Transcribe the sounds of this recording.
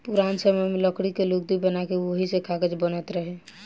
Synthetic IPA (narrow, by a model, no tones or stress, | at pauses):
puɾansəməjmeləkɽikelok̚d̪ibənakeʋoɦisekʰaɡəd͡ʒbənət̪ɾəɦe